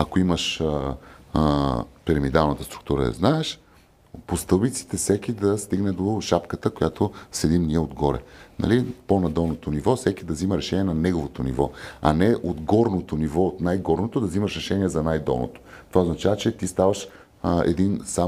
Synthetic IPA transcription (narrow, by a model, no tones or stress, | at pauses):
ɐkoiməʃ | pɛɾɛmid̪alˠnət̪əst̪ɾu̥k̚t̪uɾə̰ɛ̰znaɛʃ | post̪ɤlˠbit̪si̥t̪ɛsɛkʲid̪ɐst̪iɡnɛd̪oʃapkət̪əkojat̪osɛd̪imniɛod̪ɡɔɾɛ̰nɐ̰liponɐd̪ɔlˠnot̪onivɔsɛkʲid̪ɐziməɾɛʃɛnʲiɛnɐnɛɡovot̪onḭvɔɐ̰nɛʔod̪ɡɔɾnot̪onivɔot̪najɡɔɾnot̪od̪ɐzimɐʃɾɛʃɛniɛzɐnajd̪ɔ̰lˠno̰t̪o̥t̪ovaoznɐt͡ʃavət͡ʃɛt̪ist̪avəʃ | ɛ̰d̪insa